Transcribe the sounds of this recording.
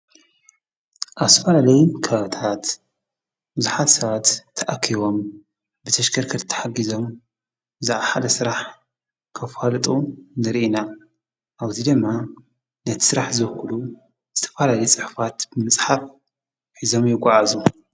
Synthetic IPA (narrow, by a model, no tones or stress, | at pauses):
ʔaβst̪ʰɐfɐlalɐjimkʰɐβat̪ʰat̪ | bɨzuħat̪sɐβat̪ʰːɐʔakʰiβo̞m | bɨt̪ʰɐʃkʰɐɾkʰɐt̪t̪ʰːɐ̥ħaɡizo̞m | bɨzaʕaħad̪ɐsɨɾaħ | kʰɐfalɨt̪ʼunɨɾiʔina | ʔaβzid̪ɨmːa | nɐt̪ʰi̥sɨɾaħzɨkulu | z̥ɨt̪ʰɐ̥fɐlaljt͡sʼɨħfat̪bɨmɨt͡sʼħaf | ħizo̞mjɪɡʷʼːaʕazu